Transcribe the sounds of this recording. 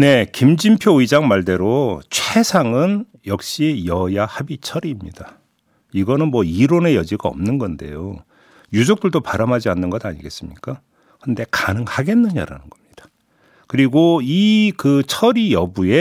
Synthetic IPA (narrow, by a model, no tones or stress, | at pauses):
ne̞kimd͡ʑimpʰjoid͡ʑaŋmaɭde̞ɾot͡ɕʰwesʰaŋɯn | jʌk̚ɕ͈ijʌjahabit͡ɕʰʌɾimɲḭda | iɡʌnɯnmwʌiɾone̞jʌd͡ʑiɡaʌ̰mnɯnɡʌnde̞̰jo̰ | jud͡ʑok̚t͈ɯɭdopaɾamɦad͡ʑianːɯnɡʌda̰ɲiɡe̞s͈ɯmɲḭk͈a | kʰɯnde̞kanɯŋhaɡe̞nːɯɲa̰ɾa̰nɯnɡ̥ʌmɲid̥ḁ | kɯɾiɡoikɯt͡ɕʰʌɾijʌbue̞